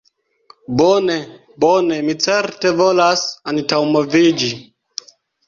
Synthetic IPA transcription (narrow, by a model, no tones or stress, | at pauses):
bone | bonemit͡seɾte̞volasantawmovid͡ʒi